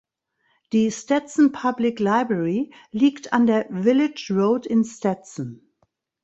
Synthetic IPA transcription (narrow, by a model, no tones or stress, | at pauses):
d̥istɛtsn̩pʰablɪklaɪbɹɛɹiliːktʰãndeːɐvɪlɪd͡ʒɹoʊdɪ̃nstɛtsn̩